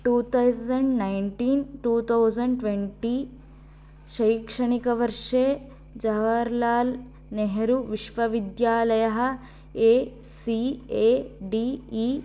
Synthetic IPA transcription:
ʈuːt̪ʰɐwsɐɳɖnɐjɳʈiːnʈuːt̪ʰɐwd͡ʒɐɳɖʈʋeɳʈiː | ʃɐjkʂɐɳikɐʋɐɾʂeː | d͡ʒɐʋɐɾlaːl | neɦeɾuʋiʃʋɐʋid̪jaːlɐjɐɦɐ̆ | eː | siːeːɖiːiː

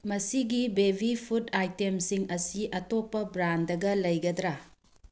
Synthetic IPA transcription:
mɐsiɡibebʱipʰutajtemsiŋɐsiɐtopːɐbɾandɐɡɐlɐjɡɐdɾa

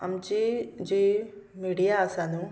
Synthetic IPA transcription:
ɐ̰mt͡ɕid͡ʑiːmiːɽijaəsãːnũː

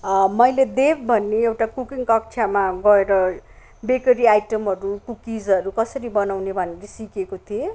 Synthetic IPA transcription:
mʌjled̪ebbʱʌnːeewʈakukiŋkʌk̚t͡sʰamaɡʌeɾʌ | bekʌɾiajʈʌmʌɾukukid͡zʌɾukʌsʌɾibʌnawnebʱʌneɾʌsikekot̪ʰie

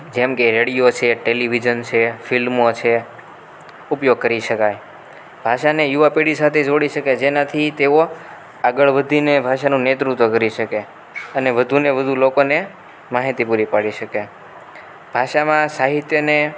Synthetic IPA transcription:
d͡ʒemkeɾeɽijot͡ʃʰeʈeliʋid͡ʒənt͡ʃʰefilmot͡ʃʰe | upjoɡ̚kəɾiʃəkaj | bʱaʃanejuʋapeɽisat̪ʰed͡ʒoɽiʃəked͡ʒenat̪ʰit̪eo | aɡəɭʋəd̪ʱinebʱaʃanũnet̪ɾut̪ʋəkəɾiʃəke | əneʋəd̪ʱuneʋəd̪ʱulokone | maɦit̪ipuɾipaɽiʃəke | b̥ʱaʃamãsaɦit̪jəne

